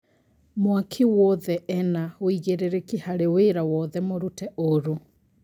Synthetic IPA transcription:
mwakʰiwɔðɛʔɛnaoiɣeɾeɾekihaɾeweɾawɔðɛmoɾutɛʔoɾu

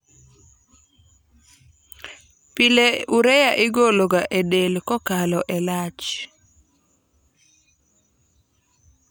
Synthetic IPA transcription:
pɪleuɾɛjaʔɪɡoloɡaʔedelkɔkalɔʔɛlat͡ʃ

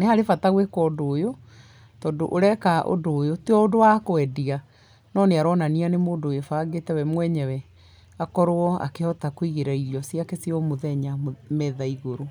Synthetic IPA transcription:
nehaɾefataɣwekɔdoːjo | tɔːdoʔoɾɛkaʔo̰doːjoteɔodowakoɛdia | nɔneaɾɔnanianemoːdojofaːɡetɛwɛmwɛɲɛwɛ | akɔɾoɔa̰kehɔtakwiɣeɾaiɾiɔsiakesiɔmoðɛɲamɛðaiɣoɾo

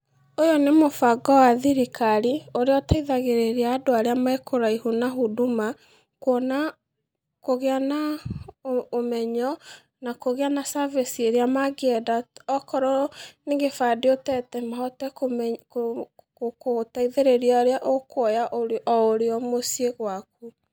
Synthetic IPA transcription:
ojɔnemofaɡɔwaðiɾikʰaɾioɾeɔtaiðaɣeɾeɾeaːdoaɾeamaekoɾaihunaɦuduma | kwɔna | koɣeana | omɛɲɔ | nakoɣeanasavesieɾeamaɡɛdaɔkɔɾɔneɣefadeotɛtɛmaɦɔtɛkom | kokotaiðeɾeɾiaoɾeaʔokwɔjaʔoɔoɾeɔmosieɣwak̚u

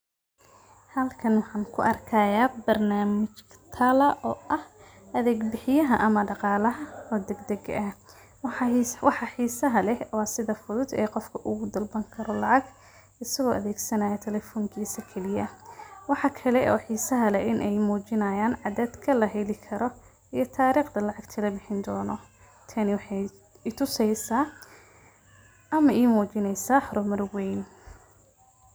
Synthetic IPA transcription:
hɐlkʰɐnwɑħɑːnkʰʊʔɐrkʰaːjaːbɐrnaːmɪt͡ʃt̪ʰɐlɐʔɔːʔɐh | ɐðɛːɡbɪħɪjɐɦɐʔɐmɐɖɑqɑːlɐɦɐɔːd̪ɛɡd̪ɛɡ̰ʔɐ | wɑħɑħiːsɐɦɐlɛwɑːsɪðɐfʊðʊd̪ɛːqɔfkʰɐʔʊɣʊd̪ɐlbɐŋkʰɐɾɔlɑʕɑɡ | ɪsɐɣɔːʔɐðɛːɡsɐnaːjɐt̪ʰɛlɛfɔːŋkʰiːsɐkʰɛlɪjɐwɑħɑkʰɐlɛʔɔ̰ːħiːsɐɦɐlɛʔɪnʔɛjmuːt͡ʃɪnɐjaːnʕɑðaːd̪kʰɐlɐɦɛlɪkʰɐɾɔ | ijɞt̪ʰaːɾiːqd̪ɐlɑʕɑɡt̪ʰɐlɐbɪħɪnd̪ɔːnɔ | t̪ʰɐnɪwɑħɑ | ɪt̪ʰʊsɛjsaː | ʔɐmɐʔiːmuːt͡ʃɪnɛjsaːħɔɾɔmɐrwɛjn

